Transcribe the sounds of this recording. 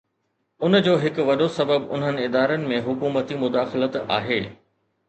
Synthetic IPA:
ʊnd͡ʑoːɦɪkʋɐɗosɐbəbʊ̰n̤ənɪ̆ɪd̪aːɾənɪ̆mẽɦʊkuːmət̪imʊd̪aːxɪlət̪a̰ːɦeː

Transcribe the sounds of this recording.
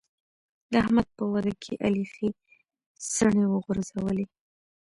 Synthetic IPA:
d̪̥əahmad̪̚pəwad̪akʰeʔalixi | səɳewəɣʊɾzawəle

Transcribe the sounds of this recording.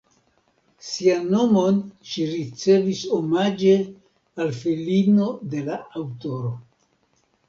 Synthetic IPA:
sianːo̞mo̞nʃiɾit͡se̞viso̞mad͡ʒe̞ | alfilino̞de̞laawto̞ɾo̞

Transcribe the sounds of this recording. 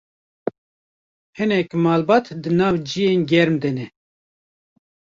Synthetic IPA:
hɨnɛkmɑːlbɑːt̪d̪ɨnɑːvd͡ʒijeːnɡʲɛɾmd̪ɛnɛ

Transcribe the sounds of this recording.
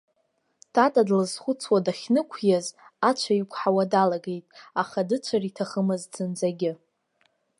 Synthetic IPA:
tʰatʼadlɨzχʷʊt͡sʰwadaχʲnɨkʷʰjazat͡ʃʷʰaikʷʰʼħawadalaɡe̞jtʼaχadɨt͡ʃʷʰaritʰaχəmɨzd͡zɨnd͡zaɡʲɪ

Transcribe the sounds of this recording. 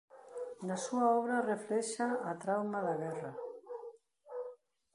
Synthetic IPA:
nasuaɔβɾareflɛʃaːt̪ɾawmaðaɣɛra

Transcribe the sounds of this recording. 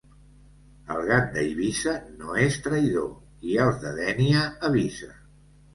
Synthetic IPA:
əlˠɣand̪əiβisənoest̪ɾəjðo | iɛlˠzðəðɛniəːβizə

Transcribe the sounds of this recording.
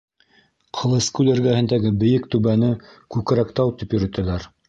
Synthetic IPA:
qʰɤ̆lˠɤ̆skulɘ̆ɾɡæhɘ̆nd̪æɡɘbɘ̆jɘk̚t̪ʉβænɘkʉk̆ɾækt̪ɑwt̪ipjɵ̆ɾɵ̆t̪ælæɾ

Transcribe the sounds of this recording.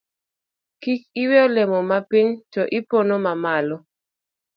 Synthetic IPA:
kik̚ɪweɔlemɔmapiɲtɔʔɪponomamalɔ

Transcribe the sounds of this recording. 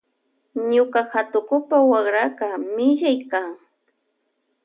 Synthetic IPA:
ɲʊkaxat̪ʊkʊpawaɢɾakamɪʎajkaːŋ

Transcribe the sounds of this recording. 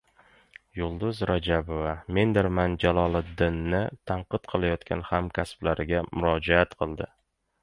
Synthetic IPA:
jʊlˠd̪ʊzɾad͡ʒabovame̞nd̪ɪɾmand͡ʒalɒlˠɪd̪ɪnːɪt̪ʰaɴqɨt̪qʰɨlˠajɒt̪kʲʰa̰nhamkʲʰasblaɾɪɡʲamʊɾɒd͡ʒaat̪qʰɨlˠd̪ɪ

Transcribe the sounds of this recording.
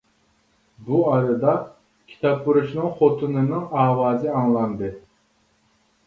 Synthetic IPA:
buɑɾɨd̪ɑ | kʲʰi̥t̪ʰɑpbuɾuʃnɨŋχot̪ʰɨnɨnɨŋɑːwɑːzɪɑŋlˠɑnd̪ɨ

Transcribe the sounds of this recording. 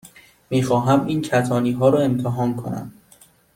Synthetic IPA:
miːxɒːɦæmiːncʰæt̪ʰɒːniːɦɒːɾɒːe̞mt̪ʰeɦɒːnkʰonæ̰m

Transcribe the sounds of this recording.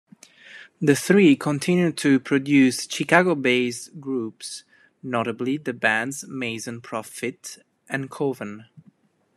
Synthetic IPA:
ðəθɹiːkʰə̃ntʰɪ̃njʉd̚tʰɨpʰɹɔdjʉst͡ʃikaɡobeɪzɡɹuːps | nɔɾəbliðəbæ̃ndzmeɪzə̃npʰɹɔfɪt | ʔɨ̃nkʰovə̃n

